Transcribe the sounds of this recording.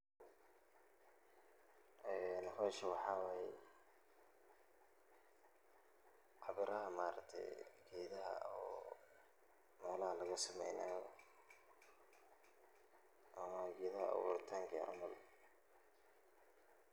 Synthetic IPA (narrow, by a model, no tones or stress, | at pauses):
ʔɛːnħɔʃɐwɑħɑːwɛːjɛ | ʔɑβɪɾɐɦɐmaːɾɐɡ̚t̪ʰɛ̰jɡɛːðɐɦɐ̰ɔː | mɛːlɐɦɐlɐɣɐsɐmɛjnaːjɔ | ʔɐmɐɡɛːðɐɦɐ̰ʔɐ̰wṵːɾɪt̪ʰaːŋkʰɐɑ̰rmʊl